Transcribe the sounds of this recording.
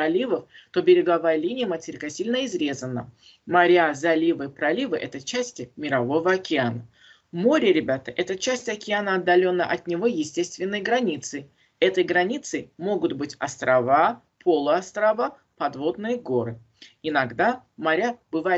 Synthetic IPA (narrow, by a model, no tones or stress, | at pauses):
ɐlʲivəft̪o̞bʲɪɾʲɪɡɐvajəlʲinʲɪjəmətʲɪɾʲɪkɐsʲilʲnəɪzɾʲe̞zənə̰ | mɐɾʲazɐlʲivɨpɾɐlʲivɨʔɛt̪ət͡ɕæsʲtʲɪmʲɪɾɐvo̞vəɐkʲɪanə | moɾʲɪɾʲɪbʲat̪əʔɛt̪ət͡ɕæsʲtʲɐkʲɪanəɐd̪ːɐlʲo̞nːəʔɐt̪nʲɪvo̞jɪsʲtʲe̞st̪vʲɪnːəjəɡɾɐnʲit̪sɨ | ɛt̪əjɡɾɐnʲit̪sɨmo̞ɡʊt̪bɨtʲɐst̪ɾʔɐva | pʰo̞lˠəɐst̪ɾɐva | pɐd̪vo̞d̪nɨjəɡo̞ɾɨ | ɪnɐɡd̪amɐɾʲab̥ɨva